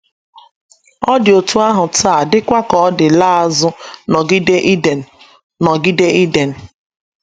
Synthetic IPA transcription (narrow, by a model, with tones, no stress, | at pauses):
ɔ˦dɪ˨o˨tu˦a˦ɦʊ˨taː˦˨dɪ˦kʷa˦kɔ˨˦dɪ˨la˦a˦zʊ˦nɔ˨ɡi˦de˦ʔi˦de˨n˨ | nɔ˨ɡi˦de˦i˦de˨n̩˨